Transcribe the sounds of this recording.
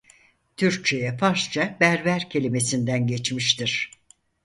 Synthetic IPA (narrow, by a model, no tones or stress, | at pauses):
t̪ʰyɾc̚t͡ʃʰe̞jɛfaɾʃt͡ʃʰabæɾvæɾcʰe̞lʲime̞sind̪ænɟet͡ʃmiʃt̪iɾ̥